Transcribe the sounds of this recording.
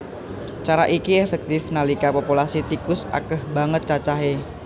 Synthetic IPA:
t͡ʃaɾaʔikiɛfɛk̚t̪ɪfnalikapopulasit̪ikʊsa̰kəhbaŋət̪̚t͡ʃat͡ʃaɦe

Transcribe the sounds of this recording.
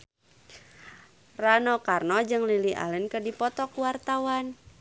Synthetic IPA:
ranɔkarnɔd͡ʒɨŋlilia̰lənkədipɔt̪ɔkuwart̪awan

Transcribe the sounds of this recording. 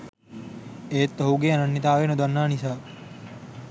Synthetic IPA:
eːt̪ːɐɦuɡeːɐnɐnːit̪aːʋeːnod̪ɐnːaːnisaː

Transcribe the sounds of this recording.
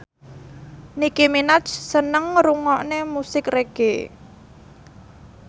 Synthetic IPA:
nikiminat͡ʃsənəŋɾuŋɔʔnemusɪkreɡ̥ḛ

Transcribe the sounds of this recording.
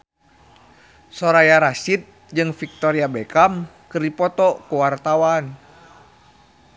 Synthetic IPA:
sɔɾajaɾasit̪̚ | d͡ʒɨŋfik̚t̪ɔɾiabɛkam | kɨrdipɔt̪ɔkuwart̪awan

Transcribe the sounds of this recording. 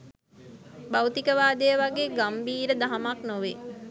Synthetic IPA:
bawt̪ikəʋaːd̪əjəʋaɡeːɡambiːɾəd̪aɦamaknoʋe

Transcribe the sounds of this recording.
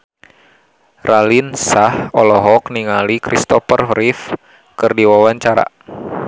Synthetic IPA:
rʔalinsahɔlɔɦɔkniŋalikɾist̪ɔfərɦɾif | kɨrdiwawaɲt͡ʃaɾa̰

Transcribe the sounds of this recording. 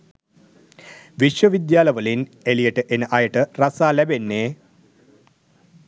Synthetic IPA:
ʋiʃʋəʋid̪jaːləʋəlinelijəʈəʔenəʔajəʈərasaːlæbenːeː

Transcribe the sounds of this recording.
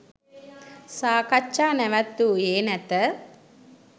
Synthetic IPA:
saːkɐt͡ʃːaːnɛʋɐt̪ːueːnɛt̪ə

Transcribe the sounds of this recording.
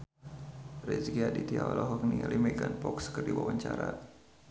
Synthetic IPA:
rɛzɡiadit̪iaolɔɦɔk̚niŋlʔimɛɡanpɔkskərdiwawaɲt͡ʃaɾa

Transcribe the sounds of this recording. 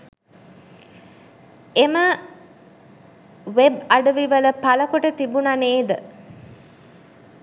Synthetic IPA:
emə | ʋebaɖəʋiʋələpaləkoʈət̪ibunaneːd̪ə

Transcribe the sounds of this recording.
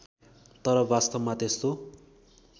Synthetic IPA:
t̪ʌɾʌbast̪ʌbmat̪est̪o

